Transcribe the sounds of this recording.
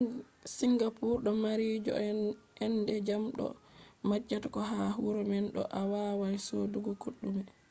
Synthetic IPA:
siŋɡapuɾɗɔmaɾid͡ʒɔ̰ɛndɛd͡ʒamɗɔ̰mad͡ʒːatakɔɦaɦuɾɔmɛnɗɔ̰ʔawaːwajsɔduɡɔkuɗːumɛ

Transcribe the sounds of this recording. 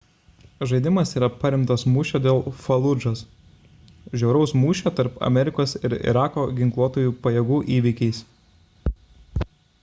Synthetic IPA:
ʒɐɪd̪ʲɪmɐsiːɾɐpɐɾʲɪmt̪ɐsmuːʃʲoːd̪ʲeːlˠfɐlˠʊd͡ʒoːs | ʒʲɛʊɾɐʊsmuːʃʲoːt̪ɐɾpɐ̰mʲɛɾʲɪkoːsɪɾɪ̰ɾɑːkoːɡʲɪŋklˠuɔt̪oːjuːpɐjɛɡuːʔiːʋʲɪkʲɛɪs

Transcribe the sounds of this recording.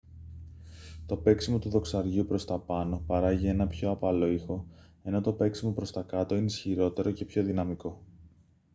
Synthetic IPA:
t̪o̞pe̞ksimo̞t̪uðo̞ksɐɾʝiupɾo̞st̪ɐpɐno̞pɐɾɐʝie̞nɐpço̞ɐpɐlo̞ixo̞ | e̞no̞t̪o̞pe̞ksimopɾo̞st̪ɐkɐt̪o̞ineisçiɾo̞t̪e̞ɾo̞ce̞pço̞ðinɐmiko̞

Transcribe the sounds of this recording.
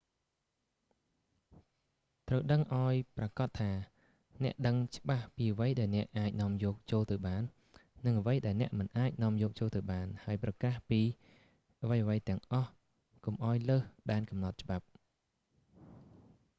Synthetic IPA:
t̪rəwɗəŋʔaɔjprɑkɑt̪ʰːaː | nɛ̆əʔɗəŋt͡ɕə̆ɓahpiːəʋəjɗaɛlnɛ̆əʔaːc̚nŏəmjɔːk̚t͡ɕoːlt̪ɨwɓaːnː | ɨŋəʋəjɗaɛlnɛ̆əʔmɨnʔaːc̚nŏəmjɔːk̚t͡ɕoːlt̪ɨwɓaːnhaəjprɑkaːhpiː | ʔəʋəjʔəʋəjt̪ɛ̆əŋʔɑh | komʔaɔjləːhɗaɛnkɑmnɑt̪̚t͡ɕə̆ɓap̚

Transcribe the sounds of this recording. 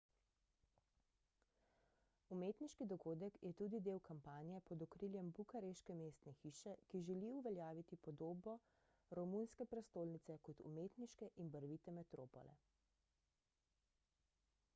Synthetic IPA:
umeːt̪niʃkid̪ɔɡoːd̪əkjʔɛt̪uːd̪id̪eːwkampaːnijɛpɔd̪ɔkɾiljɛmbukaɾeʃkɛmeːst̪nɛxiːʃɛkiʒɛliuʋɛljaːʋit̪ipɔd̪oːbɔ | ɾɔmunskɛpɾɛst̪oːlnit̪sɛkɔt̪ṵmeːt̪niʃkɛʔinbəɾʋit̪ɛmɛt̪ɾo̰ːpɔ̰lɛ̰

